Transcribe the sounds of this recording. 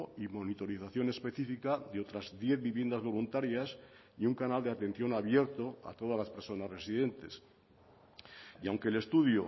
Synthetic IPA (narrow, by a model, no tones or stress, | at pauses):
imo̞nit̪o̞ɾiθaθjo̞ne̞spe̞θifikaðeo̞t̪ɾazd̪je̞θβiβje̞nd̪azβo̞lunt̪aɾjas | iuŋkanald̪eat̪ẽ̞nθjo̞naβ̞je̞ɾt̪o̞a̰t̪o̞ð̞azlaspe̞ɾso̞nazre̞sið̞e̞nt̪e̞s | iawŋkele̞st̪uðjo